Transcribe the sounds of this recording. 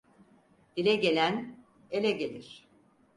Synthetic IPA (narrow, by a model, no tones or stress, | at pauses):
d̪̥ilʲɛɟe̞lʲæn | e̞lʲɛɟe̞lʲiɾ̝̥